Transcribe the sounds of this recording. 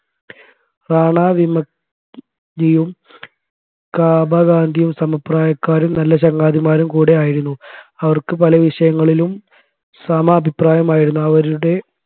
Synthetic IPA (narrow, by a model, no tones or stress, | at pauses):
raːɳaːʋimɐ | ɲijum | kaːbaːɡaːnd̪ʱijumsɐmɐpraːjɐkːaːɾumnɐlːɐɕ̬ɐŋɡaːd̪ʱimaːɾumkuːɽe̞aːjiɾunːuɐʋɐrkɨpɐlɐʋiʂɐjɐŋːɐɭilum | sɐmɐːbʱipraːjɐmaːjiɾunːuɐʋɐɾuɽe̞